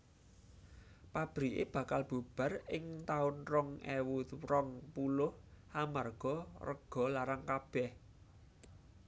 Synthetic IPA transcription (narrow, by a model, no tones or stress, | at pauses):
pab̥ɾiʔḛb̥ä̤kalb̥ṳb̥ä̤rɪŋt̪aʊnrɔŋʔewuɾɔŋpulʊh | amarɡ̥ɔ̤rəɡ̥ɔ̤laɾaŋkab̥ɛh